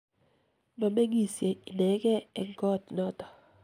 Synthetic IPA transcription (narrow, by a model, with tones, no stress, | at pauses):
mɔ˨me˦ŋi˨sje˨i˨nɛ˨˦ɡɛ˦ɛ˨ŋɡɔ˦˨tnɔ˦tɔ̥˨